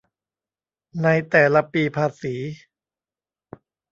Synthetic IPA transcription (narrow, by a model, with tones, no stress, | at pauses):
na˧jt̪ɛː˨˩la˧piː˧pʰaː˧siː˩˦